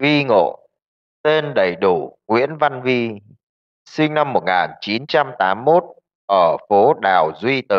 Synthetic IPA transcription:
vi˧ŋo̰˧˨ | t̪e˧nɗə˧˩jɗu˧˩ŋwḭ˧˥ənva˧nvi˧ | sï˧ŋ̟na˧mːo˨˩t̚ŋaː˨˩nt͡ɕi˨˦nt͡ɕa˧mt̪aː˨˦mːo˦˥t̚ | ʔəː˧˩fo˨˦ɗaː˨˩wzwi˧t̪ɨ˨˩

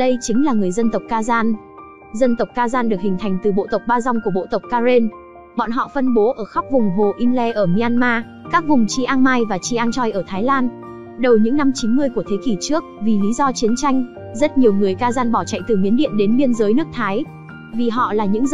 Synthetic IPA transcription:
ɗə˧jt͡ɕï˨˦ŋ̟laː˨˩ŋɨ˨˩əjzə˧nt̪ə˨˩wk͡p̚kaː˧zaː˧n | zə˧nt̪ə˨˩wk͡p̚kaː˧zaː˧nɗɨ˨˩ək̚hï˨˩ŋ̟t̪ʰa˨˩jŋ̟t̪ɨ˨˩ɓo̰˧˨t̪ə˨˩wk͡p̚ɓaː˧za˧wŋ͡mku˧˩əɓo̰˧˨t̪ə˨˩wk͡p̚kaː˧ze˧n | ɓɔ̰˧˨nɦɔ̰˧˨fə˧nɓo˨˦ʔəː˧˩xa˦˥wk͡p̚vʊ˨˩ŋ͡mɦo˨˩ʔi˧nlɛ˧ʔəː˧˩mi˧ʔaː˧nmaː˧ | ka˦˥k̚vʊ˨˩ŋ͡mt͡ɕi˧ʔaː˧ŋmaː˧jvaː˨˩t͡ɕi˧ʔaː˧ŋt͡ɕɔ˧jʔəː˧˩t̪ʰaː˨˦jlaː˧n | ɗə˨˩wɲɨ̰˧˥ŋna˧mt͡ɕi˨˦nmɨ˧əjku˧˩ət̪ʰe˨˦ki˧˩t͡ɕɨ˦˥ək̚vi˨˩li˨˦zɔ˧t͡ɕi˨˦ənt͡ɕa˧jŋ̟ | zə˦˥t̚ɲi˨˩əwŋɨ˨˩əjkaː˧zaː˧nɓɔ˧˩t͡ɕa̰˧˨jt̪ɨ˨˩mi˨˦ənɗḭ˧˨ənɗe˨˦nɓi˧ənzəː˨˦jnɨ˦˥ək̚t̪ʰaː˨˦j | vi˨˩ɦɔ̰˧˨laː˨˩ɲɨ̰˧˥ŋ

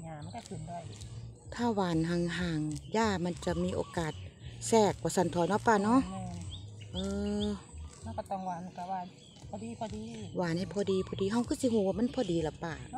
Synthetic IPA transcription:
ɲaː˨˧˨ma˧˥˨na˧˩kʰɯ˨˩ndu˧˩˨jt̪ʰaː˧˩waː˨nɦaː˧˩ŋɦaː˧˩ŋjaː˧˩ma˧˥˨nt͡ɕa˧miː˧˥ʔo̰ː˧˦kaː˨˩t̪̚sɛː˧˩k̚waː˧sa˧˩nt̪ʰɔː˨˦jnɔ˧˦pːaː˧˨nɔ˧˥˨ʔʔɤː˧ | ma˧˨kɔ˧˩t̪ɔ˧˩ŋwaː˧˨n˧˨a˧waː˧˩nʰ | ɔ˧diː˧pʰɔ˧diː˧waː˨˦nha˧˨jpʰɔː˧˦diː˧˦pʰɔː˧˩diː˨˦ɦa˧˩wkʰɯː˧˩˨si˧˦ɦuː˧˦waː˧ma˧˥˨npʰɔː˧˦diː˨˦la˨˦pa˧˩

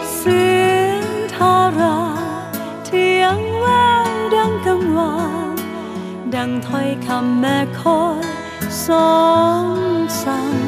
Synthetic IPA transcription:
sɯ˧nt̪ʰaː˧ɾa˧˥ | t̪ʰi˧əŋwaː˥˩ŋda˧ŋka˧ŋwa˧˦ŋ | da˧˩ŋt̪ʰɔ˧˩jkʰa˧mːɛː˧˩kʰo˧˥n | sɔː˨˧˦ŋsa˧˦ŋ

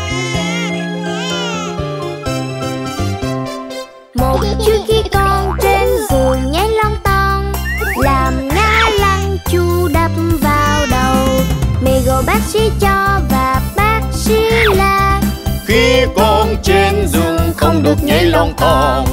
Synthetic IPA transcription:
mo˨˩t̚t͡ɕɨ˦˥ək̚xi˧kɔ˧nt͡ɕe˧nzu˨˩ɲə˨˦jlɔ˧wŋ͡mt̪ɔ˧nlaː˨˩mɲaː˧la˧ŋ | t͡ɕu˧ɗə˨˩p̚mvaː˨˩wɗə˨˩wme˨˩jɣɔ̰˧˨jɓaː˦˥k̚si˧˥t͡ɕɔ˧vaː˨˩ɓaː˦˥t̚si˧˥laː˧˨˩xi˧kɔ˧nt͡ɕe˧nzʊ˨˩ŋ͡mxə˧wŋ͡mɗɨ˨˩ək̚ɲa˧˦jlɔ˧wŋ͡mt̪ɔ˧n

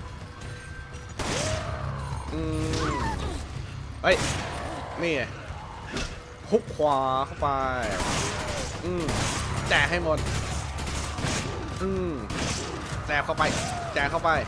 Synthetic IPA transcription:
ʔɯː˧ | ʔɤ˦˥˩j | niː˥˩ | kʰu˦˥p̚kʰwaː˨˧˦kʰa˥˩wpa˧j | ʔɯː˧˩mt͡ɕɛː˨˩ɦa˥˩jmo˧n̚ | ʔɯː˧ | t͡ɕɛː˨˩kʰa˥˩wpa˧jt͡ɕɛː˨˩kʰa˥˩wpa˧j

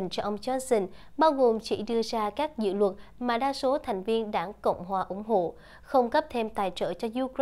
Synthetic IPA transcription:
ŋ̟t͡ɕɔ˧ʔə˧wŋ͡mt͡ɕɔ˨˦˥si˧nɓaː˧wɣo˨˩mt͡ɕḭ˧˥ɗɨ˧əzaː˧kaː˦˥k̚zɨ̰˧˨lwə˨˩t̚maː˨˩ɗaː˧so˨˦t̪ʰa˨˩jŋ̟vi˧ənɗa̰ː˧˩ŋkə̰˧˨wŋ͡mɦwaː˨˩ʔʊ˧˩ŋ͡mɦo̰˧˨ | xə˧wŋ͡mkə˦˥p̚t̪ʰe˧mt̪aː˨˩jt͡ɕə̰ː˧˩t͡ɕɔ˧zu˧k

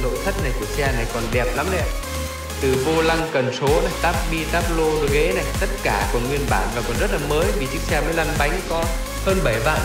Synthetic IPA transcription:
no̰˧˨sʰə˦˥t̚na˨˩jku˧˩əsɛ˧na˨˩jkɔ˨˩nɗɛ˨˩p̚la˨˦mnɛ̰˧˥ | t̪ɨ˨˩vo˧la˧ŋkə˨˩nso˨˦na˨˩jt̪aː˦˥p̚ɓi˧t̪aː˦˥p̚lo˧ɨ˨˦ɣe˨˦na˨˩jt̪ə˦˥t̚kaː˧˩ku˧˩əŋwi˧ənɓaː˧˩˨nvaː˨˩kɔ˨˩nzə˦˥t̚laː˨˩məː˨˦jvḭ˨˩t͡ɕɨ̰˦˥k̚sɛ˧mə̰ː˨˧˦jla˧mɓa˨˦jŋ̟kɔ˨˧ | həː˧nɓə˧˩jva̰ː˧˨n

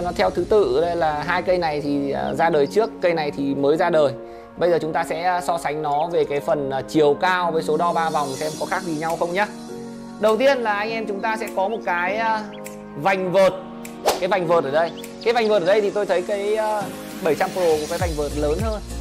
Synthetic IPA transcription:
nɔ˨˦t̪ʰɛ˧wt̪ʰɨ˨˦t̪ɨ̰˧˨ɗə˧laː˨˩ɦaː˧jkə˧jna˨˩jt̪ʰi˨˩˨zaː˧ɗəː˨˩jt͡ɕɨ˦˥əkːə˧jna˨˩jt̪ʰi˨˩məː˨˦jzaː˧ɗəː˨˩j | ɓə˧jzəː˨˩t͡ɕʊ˨˦ŋ͡mt̪aː˧sɛ̰˧˥˧sɔ˧sa˨˦ŋ̟nɔ˨˦ve˨˩kaː˨˦jfə˨˩nː˨˩t͡ɕi˨˩əwkaː˧wvəː˨˦jso˨˦ɗɔ˧ɓaː˧va˨˩wŋ͡msɛ˧mkɔ˨˦xaː˦˥k̚ɗi˧˩ɲa˧wxə˧wŋ͡mɲa˨˦ | ɗə˨˩wt̪i˧ənlaː˨˩ʔa˧jŋ̟ʔɛ˧mt͡ɕʊ˨˦ŋ͡mt̪aː˧sɛ̰˧˥kɔ˨˦mo˨˩t̚kaː˨˦jː | va˨˩jŋ̟vəː˨˩t̚ | kaː˨˦jva˨˩jŋ̟vəː˨˩t̚ʔəː˧˩ɗə˧j | kaː˨˦jva˨˩jŋ̟vəː˨˩t̚əː˧˩ɗə˧jt̪i˨˩t̪o˧jt̪ʰə˨˦jkəː˨˦jː | ɓə˧˩jt͡ɕa˧mkːo˧˩ku˧˩kaː˨˦jva˨˩jŋ̟vəː˨˩t̚ləː˨˦nhəː˧n

